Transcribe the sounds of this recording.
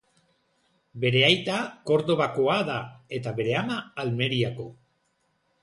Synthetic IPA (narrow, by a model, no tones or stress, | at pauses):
be̞ɾe̞ajt̪ako̞ɾðo̞βako̞aðae̞t̪aβe̞ɾe̞amaːlme̞ɾiako̞